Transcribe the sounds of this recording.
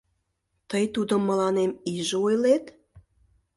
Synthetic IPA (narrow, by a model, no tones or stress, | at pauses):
t̪əjt̪ud̪əmːə̆lɑnemiʒeujlet̪